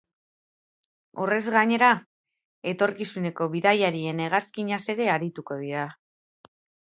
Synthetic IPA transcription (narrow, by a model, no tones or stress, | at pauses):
o̞re̞zɣaɲe̞ɾa | e̞t̪o̞ɾkisune̞ko̞βiðajaɾie̞ne̞ɣ̞askiɲase̞ɾe̞aɾit̪uko̞ð̞iɾa